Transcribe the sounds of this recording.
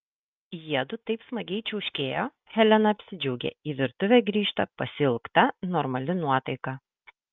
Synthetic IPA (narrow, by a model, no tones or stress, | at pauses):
jiɛd̪ʊt̪ɐɪpsmɐɡʲɛɪt͡ʃʲɛʊʃʲkʲeːjoː | hʲɛlʲɛnɐɐpʲsʲɪd͡ʒʲɛʊɡʲḛːiːʋʲɪɾt̪ʊʋʲeːɡɾʲiːʃt̪ɐpɐsʲɪlˠkt̪ɐnɔɾmɐlʲɪnuɔt̪ɐɪkɐ